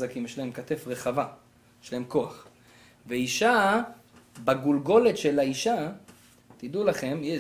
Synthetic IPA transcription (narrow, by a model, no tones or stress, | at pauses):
zakimjɛʃlahemkat̪e̞fʁeχava | jjɛʃlahemko̞aχ | veiʃa | baɡulɡo̞le̞t̪ʃe̞laiʃa | t̪id̪ulaχe̞mjɛ